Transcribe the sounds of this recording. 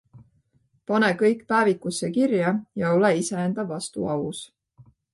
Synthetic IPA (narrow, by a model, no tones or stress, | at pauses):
pɑne̞kɤ̞jkːˑpæːvikːˑusːe̞kirjɑjɑo̞leise̞end̪ɑvːɑst̪ṵɑwus